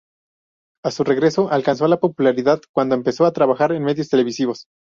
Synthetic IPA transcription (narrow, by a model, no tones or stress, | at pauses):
asure̞ɣɾe̞so̞ʔalkans̬o̞lapo̞pulaɾiðaðkwand̪o̞empe̞so̞at̪ɾaβaxaɾenme̞ðjost̪ele̞βisiβ̞o̞s